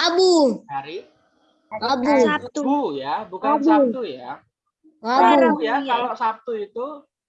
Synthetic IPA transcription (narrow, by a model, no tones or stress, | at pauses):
abuaɾi | ŋabu | jabukaabuuja | ŋabujasalasat̪uit̪u